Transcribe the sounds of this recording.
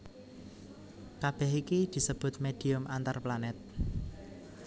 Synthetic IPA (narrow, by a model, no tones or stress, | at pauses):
kab̥ɛhikid̪̥i̤səb̥ʊ̤t̪̚med̪̥i̤ʊmʔant̪arplanɛt̪̚